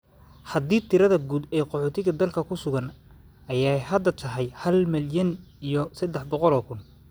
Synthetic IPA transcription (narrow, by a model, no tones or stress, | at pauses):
hɐd̪iːt̪ʰɪɾɐðɐɡuːd̪ɛːqɔħɔːt̪ʰɪɣɐd̪ɐlkʰɐkʰʊsʊɣɐn | ɐjaːjɦɐd̪ːɐt̪ʰɐɦɛjhɐlmɪljɐn | ijɞsɐd̪ːɛħbɔqɔlɔːkʰʊn